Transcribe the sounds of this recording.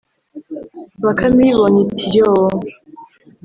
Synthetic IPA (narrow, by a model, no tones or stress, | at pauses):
βakamiβoɲitʰijoo